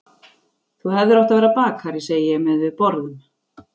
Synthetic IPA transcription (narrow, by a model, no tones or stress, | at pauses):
θuhɛvðʏɾɔwht̪avɛɾapaːkhaɾɪseːjjɛɣmɛðvɪðpɔɾðʏm